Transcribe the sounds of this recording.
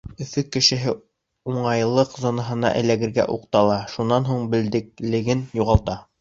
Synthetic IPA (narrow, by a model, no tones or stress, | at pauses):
ɵ̆fɵkːɘ̆ʃɘ̆ɦɘ | uɴɑjlˠɤqzɒnɑɦɤ̆nɑ̰ʔɘ̰̆læɡɘ̆ɾɡæ̰ʔuqt̪ɑlˠɑʃunːɑnɦuɴbɘ̆ld̪ɘ̆k̚lɘ̆ɡɘnjuʁɑlˠt̪ɑ